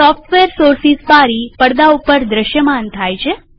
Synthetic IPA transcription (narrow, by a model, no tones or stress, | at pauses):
sɔfʈʋeɾsoɾsispaɾipəɽd̪aupəɾd̪ɾəʃjəmant̪ʰajt͡ʃʰe